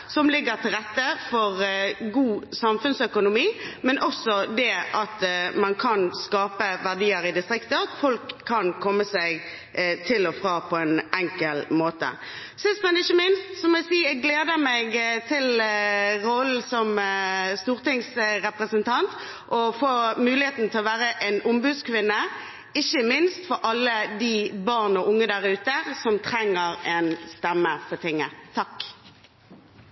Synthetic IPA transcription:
sɔmlɪɡːəʁt̪ʰɪlʁɛt̪ːəfɔʁɡuːsɑmfʉnsœkʊnʊmiːmɛnʔɔsɔd̪ɛʔɑt̪mɑnkʰɑnskɑːpəʋæʁd̪iːəɾɪd̪ɪst̪ʁɪkt̪əɑt̪fɔlkʰːɑnkʰɔmːəsæɪɡ | t̪ʰɪlɔfʁɑːpʰɔɛnɛŋkəlmoːt̪ə̰ | sɪst̪mɛnɛɪçːəmɪnst̪sɔmɔɛsiːɛɡɡleːd̪əmɛɡt̪ʰɪl | ɾɔlsɔmst̪uːʁt̪ɪŋsɾɛpʁəsənt̪ʰɑnt̪ | ʔɔfoːmʉːlɪheːt̪n̩t̪ʰɛlɔʋæːɾəʔɛnʊmbʉːdskʰʋɪnːə | ɪçəmɪnst̪fɔɾʔɑlːəd̪ibɑʁnɔʔʊŋːəd̪æɾʉːt̪əsɔmt̪ʰɾɛŋːəɾɛnst̪ɛmːəfɔt̪ɪŋːət̪ʰɑk

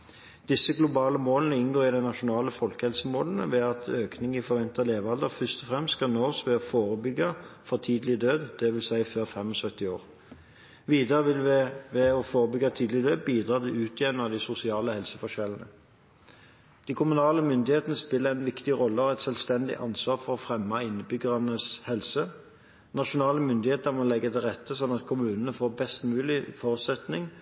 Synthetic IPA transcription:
d̪̥ɪsəɡlʊbɑːləmoːlnəɪnɡoːʁɪd̪ɛɪnɑʃʊnɑːləfɔlkəhɛlsəmoːln̩ə̰ʋɛɑt̪ʰøːknɪŋɪfɔʁʋɛnt̪ɑleːʋɑld̪əʁfʏst̪ɔfʁɛmst̪skɑnɔːʁsʋɛːɔfoːʁəbʏɡːɑfɔt̪ʰiːd̪lɪd̪øːd̪d̪̥ɛʋɪlsæɪføːʁfɛmɔsœt̪ːɪoːʁ | ʋiːd̪əʁəʋɛɔfoːʁəbʏɡɑt̪ʰiːd̪lɪd̪øːd̪biːd̪ʁɑːt̪ʰɪʉːt̪ʰɪjɛnnɑd̪ɪsʊsɪɑːləhɛlsəfɔʃɛlnə̰ | d̪̥ikʰʊmʉnɑːləmʏnd̪ɪheːt̪ənəspɪlːəæɪnʋɪkt̪ɪʁɔlːəɔʁɛt̪sœlst̪ɛnd̪ɪ̰ʔɑnsʋɑːʁfɔʁɔfʁɛmːɑɪnːəbʏɡəʁɑnəshɛlsə | nɑʃʊnɑːləmʏnd̪ɪheːt̪əʁmɔlɛɡːət̪ʰɪlʁɛt̪ʰːəsɔnːɑt̪kʰʊmʉːnənəfoːbɛst̪mʉːlɪfɔːʁʉt̪sɛt̪nɪŋ

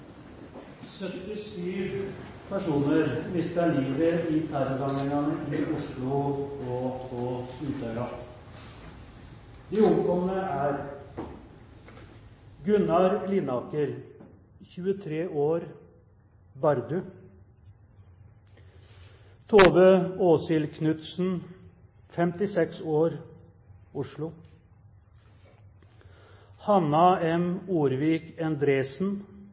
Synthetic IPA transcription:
sœt̪ːɪsyːʋ | pʰæʂuːnəɾmɪst̪əɭiːʋəɪt̪ʰæɾɔɾɑŋɪŋɑnəʔɪʔʊʂɭʊɔpʰɔʉːt̪ʰœɾɑ | d̪iːʊmkɔmnəæːɾ | ɡʉnɑɾlɪnɑːkəɾ | çʉːət̪ʰɾeːʔoːɾ | bɑɾd̪ʉ | t̪ʰoːʋəoːsɪlkʰnʉt̪sn̩ | fɛmt̪ɪsɛksoːɾ | ʊʂɭʊ | hɑnɑːɛmuːɾʋiːkɛnd̪ɾeːsn̩

